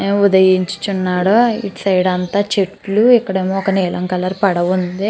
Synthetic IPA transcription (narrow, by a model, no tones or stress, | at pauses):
ud̪ɐjiɲt͡ʃu̥t͡ʃunːaːɽoḭʈsɐjɽɐnt̪aːt͡ʃeʈluikːɐɽemoːɔkɐnɛːlɐŋkɐlɐɾupɐɽɐʋund̪i